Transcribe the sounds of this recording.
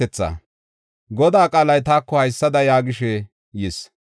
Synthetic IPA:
ɛt͡sːa̰ | ɡɔd̪aːkʼaːlɐjt̪aːkːɔhɐjsːɐd̪ɐjaːɡɪʃɛ | jɛs

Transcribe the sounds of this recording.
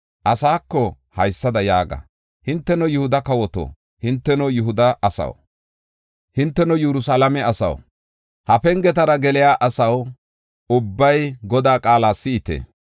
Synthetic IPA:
ʔɐsaːkːɔ | hɐjsːɐd̪ɐjaːɡɐ̰ | hɪnt̪ːɛnɔjʊhʊd̪ɐkɐwɔt̪o̰ː | hɪnt̪ːɛnɔjʊɦʊd̪ɐʔɐsɐ̰w | hɪnt̪ːɛnɔjɛɾʊsaːlɐmɛɐsɐ̰w | hɐpɛŋɡɛt̪̬ɐɾɐɡɛlɪjaːʔɐsɐw | ʊbːɐjɡɔd̪aːkʼaːlaːsːɪɪt̪ḛː

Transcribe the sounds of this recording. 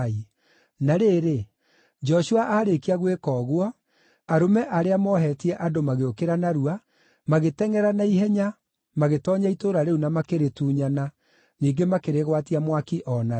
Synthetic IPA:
i | naɾeːɾe | d͡ʒɔʃuaʔaɾekiaɣwekɔːɣwɔ | aɾomɛʔaɾeamɔɦɛtiɛʔadomaɣeokeɾanaɾua | maɣetɛŋɛɾanaiɦɛɲa | maɣetɔɲaitoːɾaɾeunamakeɾetuːɲana | niːŋɡemakeɾeɣwatiamwakiʔɔna

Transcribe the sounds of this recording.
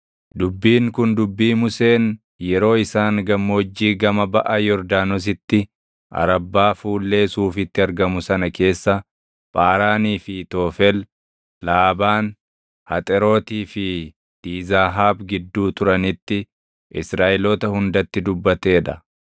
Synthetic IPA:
d̪ʊbːiːŋkʊnd̪ʊbːiːmʊse̞ːn | jɛɾo̞ːɪsaːŋɡɐmːoːd͡ʒːiːɡɐmɐbɐʔɐjɔɾd̪aːnɔs̬ɪt̪ːɪ | ʔɐ̰ɾɐbːaːfuːlːe̞ːsuːfɪt̪ːɪɐɾɡɐmʊsɐnɐke̞ːsːɐ | pʼaːɾaːniːfɪt̪o̞ːfɛl | laːbaːn | hɐt̪ʼɛɾo̞ːt̪iːfɪ | d̪̥iːzaːɦaːbɡɪd̪ːuːt̪ʊɾɐnɪt̪ːɪ | ʔɪsɾaːʔɪlɔt̪ɐhʊnd̪ɐt̪ːɪd̪ʊbːɐt̪e̞ːᶑɐ

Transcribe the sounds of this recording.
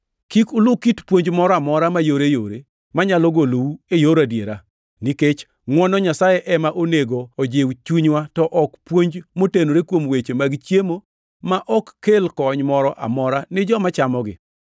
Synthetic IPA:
kikʊlʊkitpwoɲd͡ʒmɔɾɔamɔɾamajoɾejoɾe | maɲalɔɡolowuejoɾadjeɾa | niket͡ʃ | ŋwɔnɔɲasajɛʔɛmaʔoneɡoːd͡ʒɪwt͡ʃuɲwatɔʔɔkpwoɲd͡ʒmotenoɾekwomwet͡ʃemaɡt͡ʃjemo | maʔɔkːelkɔɲmɔɾɔʔa̰mɔɾanɪd͡ʒɔmat͡ʃamɔɡɪ̰

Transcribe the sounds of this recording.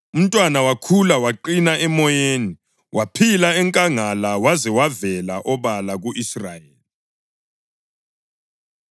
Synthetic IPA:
um̩tʼwanawakʰulawaǃinaʔɛmɔjeːni | wʔapʰilaɛŋkʼaŋalawazɛwavɛlaʔɔβalaɣuʔisrajeːli

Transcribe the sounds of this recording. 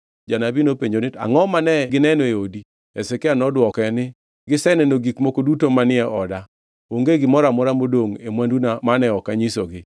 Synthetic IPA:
d͡ʒanabinopeɲd͡ʒonɪta̰ŋɔmanɛɡɪnɛnɔeodi | ɛsɛkeanɔdwɔkɛnɪ | ɡɪsɛnɛnoɡikmokodutomanɪɛʔɔda | oŋɡeɡɪmɔɾamʊɾamodoŋemwandunamanɛɔkaɲisoɡɪ

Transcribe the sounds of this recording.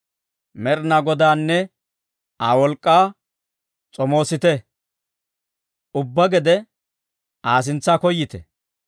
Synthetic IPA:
mɛɾnɐɡɔd̪aːnːɛ | awɔlkʼːaː | t͡sʼɔmo̞ːsɪt̪ɛ | ʊbːɐɡɛd̪ɛ | ʔaːs̬ɪnt͡sːaːkɔjːɪt̪ɛ

